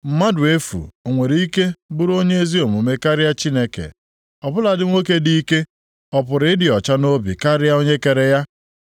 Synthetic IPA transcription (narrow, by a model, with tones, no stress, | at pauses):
m̩˨ma˦dʊ˨e˦fṵ˨o˨ŋʷe˨ɾi˦ke˦bʊ˦ɾo˦ɲe˦e˦zi˦o˨mu˨me˦ka˦ɾɪ˦ja˦t͡ʃi˦ne˦kḛ˨ | ɔ˨bʊ˦la˨dɪ˦ŋʷo˦ke˦di˦i˦ke˦ | ɔ˨pʊ˨ɾɪ˦ɪ˦dɪ˨ɔ˨t͡ʃa˦no˦bḭ˨ka˦ɾɪ˦ja˦o˦ɲe˦ke˨ɾe˨ja˦